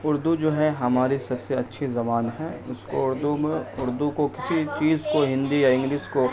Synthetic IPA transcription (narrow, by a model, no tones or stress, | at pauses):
ʊɾd̪ud͡ʒoːɦɛɦɐmaːɾisɐbseɐtːʃʰizɐmaːnɦɛʊskoʊɾd̪umeʊɾd̪ukokɪsit͡ʃiːzkoɦɪ̃nd̪ijaɪ̃ŋɡliːʃko